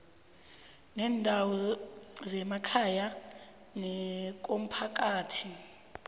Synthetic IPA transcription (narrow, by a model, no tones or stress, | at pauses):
nɛːndʱawɔzɛmakʰaja | nɛk̬ʼom̩pʰak̬ʼaːtʰi